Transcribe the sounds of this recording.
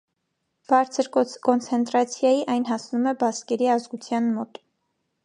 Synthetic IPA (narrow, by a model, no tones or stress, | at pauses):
b̥ɑɾt͡sʰəɾkɔnt͡sʰɛnt̪ɾɑt͡sʰjɑjiʔɑjnɦɑsnumɛbɑskɛɾiɑzɡut͡sʰjɑnmɔt̪